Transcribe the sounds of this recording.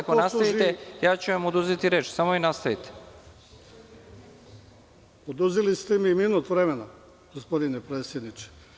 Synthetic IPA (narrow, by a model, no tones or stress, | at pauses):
akonasait̪ejaːt͡ɕuʋamod̪uzit̪iɾe̞ːt͡ʃsamo̞inast̪ait̪e̥ | od̪uzilist̪emiminuːt̪ʋɾemena | ɡ̥ospod̪inepɾeːt̪sʲjed̪nit͡ʃe̥